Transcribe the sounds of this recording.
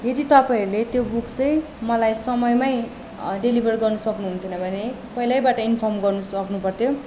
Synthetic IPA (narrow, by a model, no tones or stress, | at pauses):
jed̪it̪ʌpaiɾulet̪jobukt͡sʌj̃ | mʌlajsʌmʌjmaj | ɖelibʱʌrɡʌrnʌsʌknuɦunt̪ʰjonʌbʱʌne | pʌilajbaʈʌinpʰʌrmɡʌrnusʌknupʌrt̪ʰjo